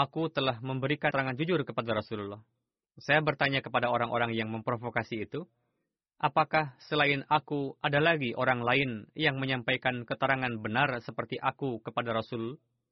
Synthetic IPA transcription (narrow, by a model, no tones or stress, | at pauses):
akut̪əlahməmbəɾikaəɾaŋand͡ʒud͡ʒʊrkəpadaɾasululɔh | sajabərt̪aɲakəpadaoɾaŋʔo̰ɾaŋjaŋməmpɾofokasiːt̪u | ʔapakahsəlaɪnakuʔadalaɡiʔoɾaŋlaɪnjaŋməɲampajkankət̪əɾaŋanbənarsəpərt̪iʔakukəpadaɾasul